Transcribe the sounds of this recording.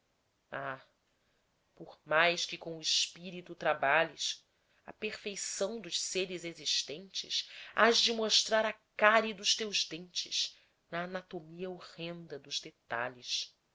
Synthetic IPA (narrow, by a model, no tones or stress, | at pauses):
a | poɾmajskɪkõʊiʃpiɾit̪ut̪ɾabaʎɪʃ | ɐ̰peχfejsɐ̃w̃d̪ʊʃseɾɪzeziʃt̪ẽnt͡ʃɪ̰ʃaʒd͡ʒɪmoʃt̪ɾaɾɐkaɾid̪ʊʃt̪ewʒd̪ẽnt͡ʃɪ̰ʃ | nɐːnat̪omiɐoʁẽnd̪ɐd̪ʊzd̪et̪a̰ʎiʃ